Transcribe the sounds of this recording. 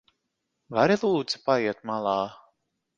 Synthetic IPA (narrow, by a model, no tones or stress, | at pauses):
vaɾilˠuːd̪z̥i̥paiɛt̪malˠɑː